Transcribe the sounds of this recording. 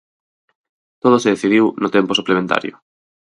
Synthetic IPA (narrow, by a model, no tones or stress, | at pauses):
t̪oð̞oseðeθið̞iwnot̪emposuplemẽnt̪a̰ɾjo̰